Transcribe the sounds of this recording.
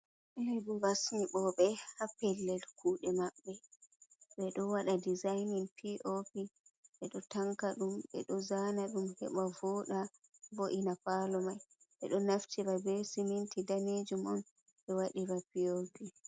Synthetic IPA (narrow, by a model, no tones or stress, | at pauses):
ʔɛbɔɾasmiɓɔɓɛhapɛlːɛlkuːɗɛmaɓːɛ | ɓɛɗɔwaɗadizajninpʰiʔopiɓɛɗɔtaŋkaɗumɓɛ̰ɗɔzanaɗumhɛ̰ɓavɔɗa | boʔinapalɔmaj | ɓɛ̰ɗɔnaftiɾabɛsimintidaned͡ʒumɔn | ɓɛwaɗiɾapiopi